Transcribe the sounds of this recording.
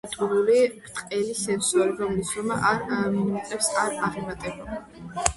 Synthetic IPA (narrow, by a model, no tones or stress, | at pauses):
t̪ʼuɾuliɾt̪ʼqʼɛlisɛnsɔɾibɔmlisɾɔmaʔaɾaminimat̪ʼɛpsaɾaʁɛmat̪ʼɛba